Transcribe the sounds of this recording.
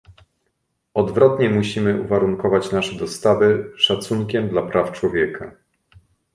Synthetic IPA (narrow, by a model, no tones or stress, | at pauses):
ɔd̪vɾɔt̪ɲɛmuɕimɘuvaɾuŋkɔvat͡ɕnaʂɛd̪ɔst̪avɘʂat̪suŋkʲɛmd̪lapɾʔaft͡ʂwɔvʲjɛkʰa